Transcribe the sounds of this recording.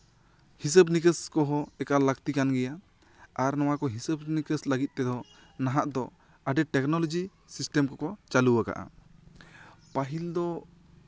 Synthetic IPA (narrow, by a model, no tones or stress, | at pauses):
his̬əbnikəskɔɦɔ̃ɛkaləkt̪ikanɡɛjaː | ɾnɔw̃akɔɦisəbnikəsləɡit̪̚ˀt̪ɛd̪ɔ | naɦaʔd̪ɔ | aɖɛʈɛknɔlɔd͡ʒi | sisʈemkɔkɔt͡ʃaluwaka̰ʔa̰ | paɦild̪ɔ